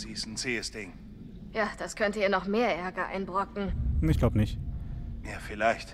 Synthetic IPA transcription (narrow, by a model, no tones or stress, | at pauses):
z̥iːsn̩t͡seːəsd̥ɪŋ | jaːd̥askʰœntəiːɐnɔχmeːɐʔɛɐɡɐʔa̰ɪnbʁɔkŋ̩ɪçɡ̥laʊbənɪçtjaːfɪlaɪçt